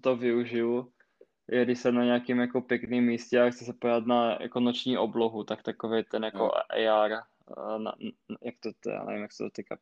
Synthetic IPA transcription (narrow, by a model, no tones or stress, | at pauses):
t̪ovɪuʒɪlu | jɛdɪʃsɛnaɲɛakimjakopjɛkniːmːiːscɛaxt̪t͡sɛsɛpoat̪naja̰konot͡ʃɲiːʔobloɦut̪akt̪akovejt̪ɛnjako̰ʔɛ̰jaɾ | na̰jak̚t̪ot̪ɛ̰ja̰ːnɛ̰vimjaksɛd̪ot̪ika̰